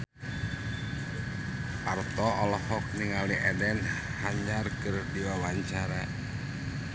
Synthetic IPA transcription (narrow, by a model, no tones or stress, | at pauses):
part̪ɔʔɔlɔhɔk̚niŋaliʔɛdɛnhaɲarkərdiwawaɲt͡ʃaɾa